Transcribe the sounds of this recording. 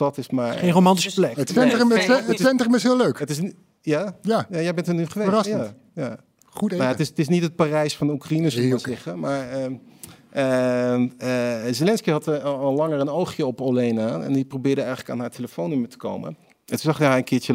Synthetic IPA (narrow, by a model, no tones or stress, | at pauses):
ɑtɪsmaɹχejnrowmɑntisəplɛkətfɛnrəmətɛntrəmɪsɦɪløɥkətɪs | jajajajɛjbɛntənyχəʋeərɑs | ja | χutemaətɪstɪsnitɦət̚paːrɛjsfɑndəukrainəsəzɪχəmaːɹə | ə | əzelɛnskiɦɑtːlɑŋəɹənowχjəɔpolejnaɛ̰ndiprobɪːɹdəɛjχələkaːnɦaːɹtʰeləfownʏmətə̥ko̰wmə̰n | ɛntuzɑχɦɛjənkɪːɹə